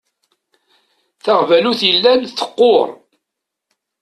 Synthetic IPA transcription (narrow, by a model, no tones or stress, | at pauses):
θaʁvæluθjəlːænθə̥qːoɾˤ